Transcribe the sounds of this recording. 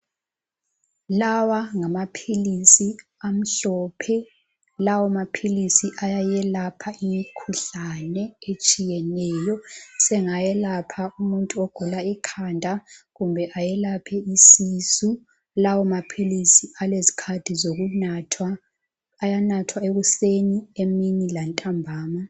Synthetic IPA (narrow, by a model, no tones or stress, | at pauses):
lawaŋamapʰilisiam̩ɬɔːpʰɛ | lawɔmapʰilisiʔajajɛlapʰaimikʰuɬanɛet͡ʃʼijɛnɛːjɔsɛŋajɛlapʰaumuntʼuɔɡ̥ʱulaikʰandʱaɣumbʱɛʔajɛlapʰɛisisu | lawɔmapʰilisialezi̥kʰad̥ʱizoɣunatʰwaː | janatʰwaeɣusenieminilantʼambʱaːma